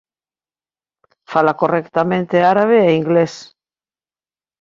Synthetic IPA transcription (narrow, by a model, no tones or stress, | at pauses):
falakorekt̪amẽnt̪eaɾaβ̞eːiŋɡles